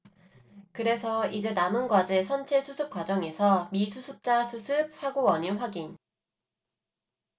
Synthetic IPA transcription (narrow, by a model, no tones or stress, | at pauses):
kɯɾe̞sʰʌid͡ʑe̞namɯnɡwad͡ʑe̞sʰʌnt͡ɕʰesʰusʰɯp̚k͈wad͡ʑʌŋe̞sʰʌmisʰusʰɯp̚t͡ɕ͈asʰusʰɯp̚sʰaɡowʌɲinɸwaɡin